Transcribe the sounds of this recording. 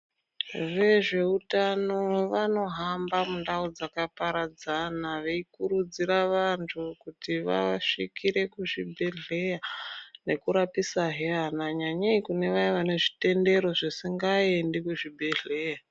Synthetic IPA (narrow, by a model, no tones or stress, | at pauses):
ʋe̞ʐe̞utano̞ʋano̞ɦambamundaud͡zakapaɾad͡zanaʋe̞ikuɾud͡ziɾaʋantʰukutiʋa̰ʂikʰiɾe̞kuʐibʱe̞ɮe̞jane̞kuɾapisaɦeanaɲaɲaikune̞ʋajeʋane̞ʐite̞nde̞ɾo̞ʐisiŋɡaendikuʐibʱe̞ɮe̞ja